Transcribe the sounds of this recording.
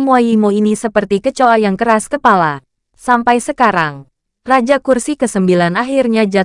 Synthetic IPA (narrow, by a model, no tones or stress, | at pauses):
əmuajimuinisəpərt̪ikət͡ʃoajaŋkəɾaskəpala | sampajsəkaɾaŋ | rad͡ʒakursikəsəmbilanaɦirɲad͡ʒa